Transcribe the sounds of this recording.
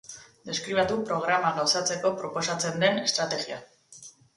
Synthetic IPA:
d̪e̞skɾiβat̪upɾo̞ɣ̞ɾamaɣawsat͡se̞ko̞pɾo̞po̞sat͡se̞nd̪e̞ne̞st̪ɾat̪e̞ɣia

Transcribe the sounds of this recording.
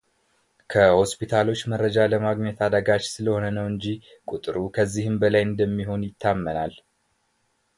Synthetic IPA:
kʰəho̞spit̪ʰalo̞t͡ʃːməɾːəd͡ʒaləmaɡɲɛt̪ʰad̪əɡat͡ʃsɨləho̞nənəwɨɲd͡ʒi | kʼut̪ʼɨɾukʰəzːihɨmbəlajɨnd̪əmːiɦo̞njɪt̪ʰːamːənal

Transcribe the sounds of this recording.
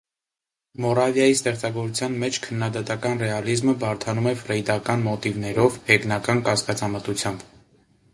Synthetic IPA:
mɔɾɑvjɑjist̪ɛχt͡sɑɡɔɾut͡sʰjɑnmɛt͡ʃʰkʰənːɑd̪ɑt̪ɑkɑnrɛɑlizməbɑɾt̪ʰɑnumɛfɾɛjd̪ɑkɑnmɔt̪ivnɛɾɔvhɛknɑkɑnkɑskɑt͡sɑmət̪ut͡sʰjɑmb̥

